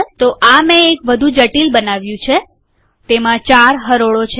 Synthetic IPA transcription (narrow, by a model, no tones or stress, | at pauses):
t̪oʔamẽːkʋəd̪ʱũd͡ʒəʈilbənaʋjũt͡ʃʰe | t̪emãt͡ʃaɾɦəɾoɭot͡ʃʰ